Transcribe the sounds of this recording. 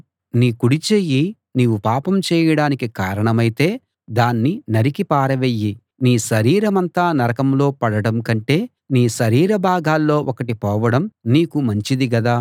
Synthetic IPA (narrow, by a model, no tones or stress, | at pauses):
niːkuɽit͡ʃeːji | niːʋupaːpɐmt͡ʃɛːjɐɽaːnikikaːɾɐɳɐmɐjit̪e̞ː | d̪aːnːinɐɾikipaːɾɐʋeːjːi | niːʃɐɾiːɾɐmɐnt̪aːnɐɾɐkɐmlo̞ːpɐɽɐɽɐmkɐɳʈe̞ː | niːʃɐɾiːɾɐbʱaːɡaːlːo̞ːʔɔkɐʈipɔːʋɐɽɐmniːkumɐɲt͡ʃid̪iɡɐd̪aː